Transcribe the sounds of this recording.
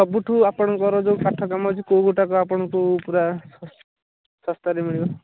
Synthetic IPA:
ɔbuʈʰuapɔɽ̃ɔŋkɔɾɔd͡zokaʈʰɔkamɔt͡ʃʰikowɡoʈakɔapɔɽ̃ɔkupuɾa | sɔst̪aɾemiɭibɔ

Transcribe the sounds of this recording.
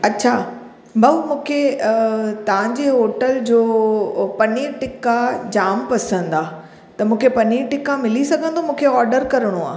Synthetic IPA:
ɐɕʰaː | bʱɐmũːkʰe | t̪ɐʋ̤ãɲd͡ʑeːɦoːʈəld͡ʑoːpɐniʈɪkad͡ʑaːmpɐsə̃n̆d̪aː | t̪ɐmũːkʰepɐniʈɪkamɪlisɐɡʱə̃nd̪omũːkʰeɔːɾɖəɾkɐɾəɽ̃oa̰ː

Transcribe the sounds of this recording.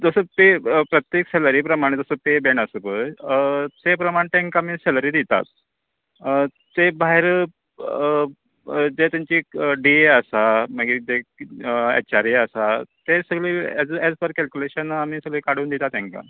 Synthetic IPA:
d͡zəsəpepɾət̪jekseləɾiːpɾəmaɽ̃ed͡zəsəpebeɳəsəpəɾt͡sepɾəmaɽ̃ẽt̪ẽŋkamiːseləɾiːd̪it̪a̰t̪̚ | ebajɾə | d͡zet̪jaɲt͡ɕiːɖieəsaməɡid͡ze | ḛt͡ɕaɾiəsat̪esəɡɭiːed͡zed͡zpəɾkɛlkʲuleɕənamiːsəɡɭiːkaɽ̤uːnd̪it̪at̪ɛ̃ŋka̰

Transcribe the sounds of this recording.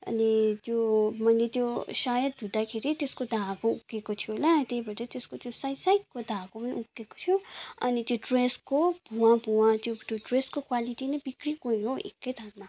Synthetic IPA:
ʌ̰nit̪jomʌjlet̪josajʌt̪̚ud̪akʰeɾit̪eskod̪ʱãkoukːekot̪ʰijolat̪ebʱʌʈʌt̪eskot̪josajsajʈkod̪ʱãkopʌnḭukːeko̥t̪ʰjoʌnit̪joɖreskob̥ʱuwãbʱuwãt̪jot̪joɖreskokwaliʈinʌbikrikoiɦoḛkːʌjd̪ʱanma

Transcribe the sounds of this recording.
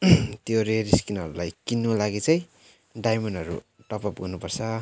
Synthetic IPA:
t̪joɾeɾiskinɦʌɾulajkinːulaɡit͡sʌj̃ | ɖajmʌnʌɾṵ | ʈʌpʌp̚ɡʌrnupʌrt͡sʰʌ

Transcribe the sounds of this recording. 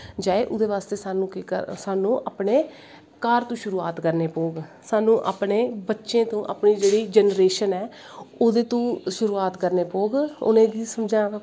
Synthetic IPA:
d͡ʒaːeːʔʊd̪eːʋaːst̪eːsaːnũːkːə̰saːnũːʔaːpɳeː | kaːɾt̪ũːʃʊɾuːaːt̪kəɾneːpoːɡ | saːnũːʔa̰ːpɳeːbətːʃẽːt̪õːʔa̰ːpniːd͡ʒeːɽiːd͡ʒɛnɾeːʃənɛː | oːd̪eːt̪ũːʃʊɾuːaːt̪kəɾneːpoːɡʊ̰nẽːd̪iːsəmd͡ʒãː

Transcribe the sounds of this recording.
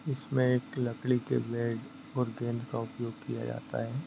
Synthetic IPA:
ɪsmẽeːklɐkɭikḛʋɛːɖ | ɔːɾɡẽːnd̪kaʊpjoːɡ̚kija̰d͡ʒa̰ːt̪a̰ɦɛː

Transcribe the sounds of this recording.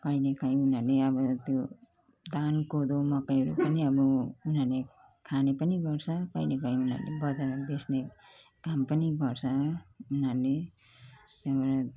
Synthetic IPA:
kʌjnekʌj̃unaleʌbʌt̪jo | d̪ankod̪omʌkʌjɦʌɾupʌniʌbʌunale | kʰanepʌniɡʌrt͡sʰʌkʌjnekʌj̃una̰lebʌd͡zaɾbesnekampʌniɡʌrt͡sʰʌunale | t̪abʌɾ

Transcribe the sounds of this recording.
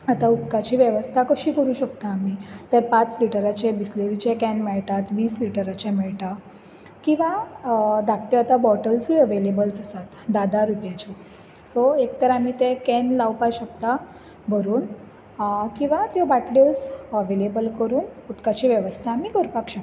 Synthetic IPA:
at̪aut̪kat͡ɕiːʋjeʋəst̪ʰakəɕiːkəɾuːɕəkt̪aːmit̪eɾpat͡sliʈəɾat͡ɕebisleɾit͡ɕekɛnmeɭt̪at̪ʋiːsliʈəɾat͡ɕemɛɭt̪a | kĩw̃ʋa | d̪ak̚ʈiat̪abɔʈəlsʋiəʋelebəlsasat̪d̪ad̪ʱaɾupjat͡ɕi | soekt̪əɾamit̪ẽkɛnlawpaɕək̚t̪a | bʱəɾuːn | kĩw̃ʋat̪jɔbaʈlɔsəʋelebəlkəɾuːnut̪kat͡ɕiʋjeʋəst̪ʰaːmikəɾpakɕak̪

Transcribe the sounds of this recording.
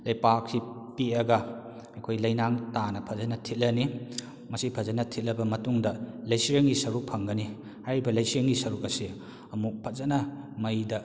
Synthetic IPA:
lɐjpak̚sipiɐɡɐ | ɐjkʰojlɐjnaŋtanɐpʰɐzɐnɐtʰit̚lɐni | mɐsipʰɐzɐnɐtʰit̚lɐbɐmɐtuŋdɐlɐjsiɾɐŋɡisɐɾuk̚pʰɐŋɡɐni | hajɾibɐlɐjsiɾɐŋɡisɐɾukɐsi | ɐmuk̚pʰɐt̚zɐnɐ | mɐjdɐ

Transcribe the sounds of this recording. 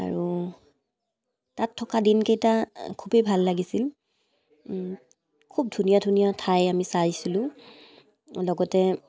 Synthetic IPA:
a̰ɹu | tatʰːɔkadinkejtakʰubebʱalːaɡisil | kʰub̚dʱunijadʱunijatʰajamisasilʊ̃ | lɔɡɔtɛ

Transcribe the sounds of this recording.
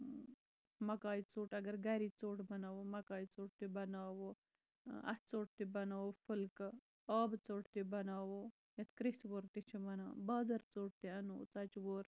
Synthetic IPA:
mɐkaːit͡soːʈɐɡɐɾɡɐɾit͡soːʈbɐnaːwomɐkaːit͡soːʈ̚t̪ebɐnaːwo | ɐ̰t̪t͡soːʈ̚t̪ibɐnaːʋofəlk | aːbt͡soːʈt̪ebɐnaːwo | jɐt̪ʰkɾisʋoɾt̪it͡ʃʰimɐnaːbaːzɐɾt͡soːʈ̚t̪eɐnoːt͡sɐt͡ʃwoɾ

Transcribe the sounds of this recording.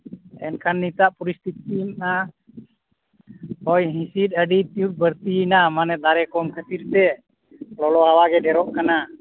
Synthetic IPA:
ɛ̰nkʰanːit̪aʔpuɾist̪it̪̚inna | hɔjɦĩsit̪̚əɖit̪iut̚bəɾt̪inamanɛd̪aɾɛkɔmkʰət̪iɾt̪ɛ | lɔlɔawaɡɛɖɛɾɔʔkana

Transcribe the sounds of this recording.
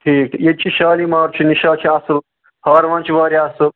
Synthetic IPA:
ʈʰiːkjet͡ʃʰiʃaːlimaːɾt͡ʃʰiniʃaːt͡ʃʰiasɨ | hɐːɾʋɐ̃nt͡ʃiʋaːɾiasɨ

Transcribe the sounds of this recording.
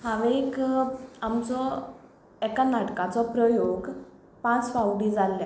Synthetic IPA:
hãʋek | amt͡sɔ | ɛkanaʈkãt͡sɔpɾəjoɡ | pãt͡sfawɽid͡zalːɛ

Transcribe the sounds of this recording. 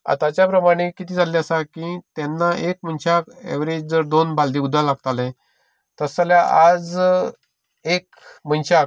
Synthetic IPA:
a̰t̪at͡ɕjapɾəmaɽ̃ekit̪iːd͡zʱaleəsakĩt̪ɛnːaʔekmənɕakḛʋɾed͡ʑd͡zəɾd̪onbʱald̪iːud̪ʱːalaɡt̪alɛ̃ | t̪əsəljaʔad͡z | ek | m̤ənɕak

